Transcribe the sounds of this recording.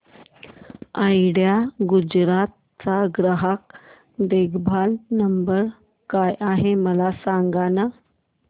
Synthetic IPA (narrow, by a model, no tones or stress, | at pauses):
ajɽjaɡud͡ʑɾat̪̚ | t͡saɡɾəɦak̚ | d̪eɡbʱalnəmbəɾ | kajʔaɦeməlasaŋɡana